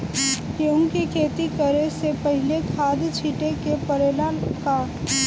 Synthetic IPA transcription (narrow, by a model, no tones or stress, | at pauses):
kjõkikʰeːt̪ikəɾesepəɦɪlekʰaːd̪t͡ʃʰiːʈekepəɾeːlaka